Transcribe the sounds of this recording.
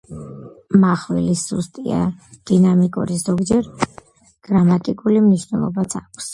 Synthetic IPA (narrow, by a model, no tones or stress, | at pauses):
maχwɛ̰lisust̪ʼia̰d̪̥inamikʼṵɾizɔɡd͡ʒɛɾ | ɡ̥ɾamat̪ʼikʼulimniʃwnɛlˠɔ̰bat̪sʰakʰs